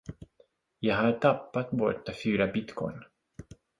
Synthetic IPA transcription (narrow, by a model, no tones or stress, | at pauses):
jɑɡɦaʈʰapːat̪bɔʈ̪ːafyːɾabɪt̪kʰɔ̰jn